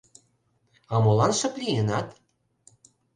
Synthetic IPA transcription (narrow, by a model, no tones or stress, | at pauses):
ɑmolɑnʃɤ̆plʲijənɑt̪